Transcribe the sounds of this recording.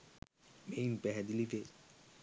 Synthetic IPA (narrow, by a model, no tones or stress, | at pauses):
mejnpɛɦɛd̪ilit̪e